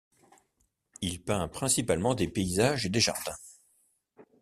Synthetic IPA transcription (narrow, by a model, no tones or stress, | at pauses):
ilpɛ̃pχɛ̃sipalmɑ̃d̪epeizaʒed̪eʒa̰ʁd̪ɛ̃